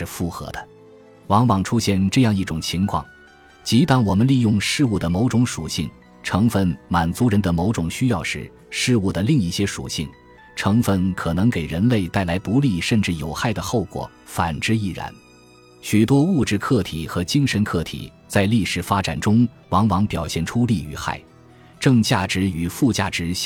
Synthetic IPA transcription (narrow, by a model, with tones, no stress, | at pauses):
ʂɻ̩˥˧fu˥˩xɤ̰˧˥d̪ə̥˧ | wɑ˧˥ŋwɑ˨˩ŋʈ͡ʂʰu˥ɕjɛ˥˧nʈ͡ʂɤ˥˧jɑ˥˧ŋi˥˩ʈ͡ʂʊ˨˩ŋt͡ɕʰi˧˥ŋkʰwɑ̰˥˩ŋ | t͡ɕi˧˥t̪a˥˩nwɔ˨˩mə˦nli˥˧jʊ˥˧ŋʂɻ̩˥˧u˥˩d̪ə˩mo˧˥ʊʈ͡ʂʊ˧˥ŋʂu˨˩ɕi˥˩ŋ | ʈ͡ʂʰɤ˧˥ŋfə˧˥nma˨˩nt͡su˧˥ɻə˧˥nd̪ə˧mo˧˥ʊʈ͡ʂʊ˨˩ŋɕy˥jɑ˥˧ʊʂɻ̩˥˩ | ʂɻ̩˥˧u˥˩d̪ə˩li˥˧ŋi˥˩ɕjɛ˥ʂṵ˨˩ɕi˥˩ŋ | ʈ͡ʂʰɤ˧˥ŋfə˥˩nkʰɤ˨˩nɤ˧˥ŋke˨˩ɪɻə˧˥nle˥˧ɪt̪a˥˩ɪla˧˥ɪt̪u˧˥li˥˩ʂə˥˧nʈ͡ʂɻ̩˥˩jo˨˩ʊxa˥˩ɪd̪ə˩xo˥˩ʊkwɔ̰˨˩˦ | fa̰˨˩nʈ͡ʂɻ̩˥˧i˥˩ɻa̰˧˥n | ɕy˨˩t̪wɔ˥u˥˧ʈ͡ʂɻ̩˥˧kʰɤ˥˩t̪ʰḭ˨˩˦xɤ˧˥t͡ɕi˥ŋʂə˧˥nkʰɤ˥˩t̪ʰḭ˨˩ | t͡sa˥˧ɪli˥˩ʂɻ̩˨˩fa˥ʈ͡ʂa̰˨˩nʈ͡ʂʊ˥ŋ | wɑ˧˥ŋwɑ˧˥ŋpjɑ˨˩ʊɕjɛ˥˩nʈ͡ʂʰu˥li˥˧˩y̰˧˥xa̰˥˩ɪ | ʈ͡ʂɤ˥˧ŋt͡ɕja˥˩ʈ͡ʂɻ̩˧˥y˨˩fu˥˧t͡ɕja̰˥˩ʈ͡ʂɻ̩˧˥